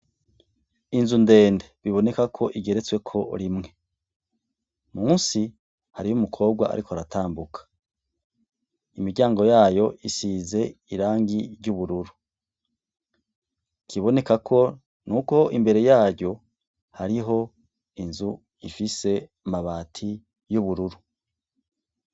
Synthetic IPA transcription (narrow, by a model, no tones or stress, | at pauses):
inzunde̞ːndeβiβo̞ne̞kakʰo̞ʔiɡe̞ɾe̞t͡swe̞kʰo̞ɾimŋe̞ | muːnsi | haɾijumukʰo̞ːb̚ɡwa̰a̰ɾikʰoaɾataːmbukʰḁ | imiɟaːŋɡo̞jaːjo̞ʔisize̞iɾaːŋɡiɾɟuβuɾuɾu | kʰiβo̞ne̞kakʰo̞ | nuko̞imbe̞ɾe̞jaːɟɟo̞ | haɾiɦo̞ | inzu | ifise̞ | maβaːtʰi | juβuɾuɾu